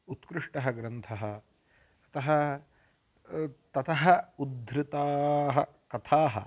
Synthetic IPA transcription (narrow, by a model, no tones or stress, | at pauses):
ut̪kɾuʂʈɐɦɐɡɾɐnt̪ʰɐɦɐ | ɐt̪ɐɦɐ | t̪ɐt̪ɐɦɐud̪ɾɪt̪aːɦɐ | kɐt̪ʰaːɦɐ̰